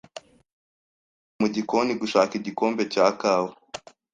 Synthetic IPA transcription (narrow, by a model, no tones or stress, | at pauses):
muɟikoniɡuʃaːkiɟikoːmbe̞caːkaːwo